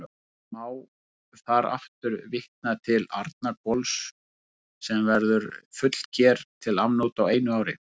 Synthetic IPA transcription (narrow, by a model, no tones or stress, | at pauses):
maːw̥ | θaɾa̰ft̪ʏɾvɪht̪̚nat̪ʰɪla̰ɾt̪̚nakɔls | sɛmvɛɾðʏɾfʏt̪l̥cʰɛːɾt̪ʰɪlavnut̪aweːjnʏaːwɾɪ̰